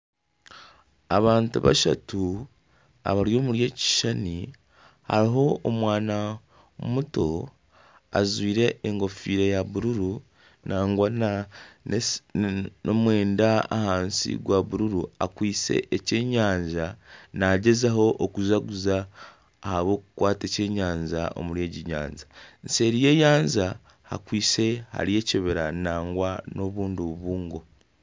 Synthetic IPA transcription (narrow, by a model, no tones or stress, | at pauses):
aβaːntuβa̰ʃa̰tu | a̰βaɾjo̞ːmuɾje̞ːci̥ʃani | ha̰ɾiɦo̞ːmwaːna | muto̞ | a̰zwiːɾe̞eŋɡo̞fiːɾejaβuɾuɾu | naːŋɡwana | nomwe̞ːndaa̰haːnsḭɡwaβuɾuɾua̰kwiːse̞̰ʔece̞ːɲaːɲzanaɟe̞zaɦo̞ʔokuzaɡuzaː | haβo̞ːkukwaːte̞ce̞ːɲaːɲza̰o̞̰muɾe̞ːɟiɲa̰ːnzanse̞ɾije̞jaːɲza | ha̰kwiːse̞ha̰ɾie̞ːceβeɾanaːŋɡwano̞βuːnduβuβuːŋɡo̞